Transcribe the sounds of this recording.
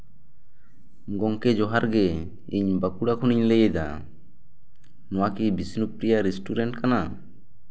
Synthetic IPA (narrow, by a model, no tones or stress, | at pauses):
ɡɔŋkɛd͡ʒɔɦaɾɡɛ | iɲbakuɽakʰuniɲlɛjɛd̪a̰ | nɔwakibisnup̚ɾijaɾisʈuɾɛɳʈkana